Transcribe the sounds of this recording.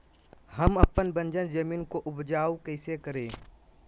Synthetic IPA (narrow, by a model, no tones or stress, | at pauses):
hɐmɐpːənbə̃nd͡ʒənd͡ʒəmiːnkoʔʊbd͡ʒaːokəɪsekəɾẽː